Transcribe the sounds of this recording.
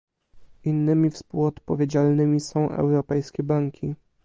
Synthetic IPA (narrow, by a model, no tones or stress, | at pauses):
inːɘmʲifspuwɔt̪pɔvʲjed͡ʑalnɘmʲisɔ̃w̃ʔɛ̰wɾɔpɛjskʲɛbaŋkʲʰi